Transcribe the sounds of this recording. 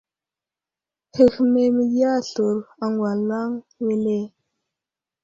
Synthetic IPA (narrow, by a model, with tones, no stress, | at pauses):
hə˨xme˨mi˨˦a˦ɬu˨ɾa˨ŋɡwa˨la˦ŋ | we˦le˦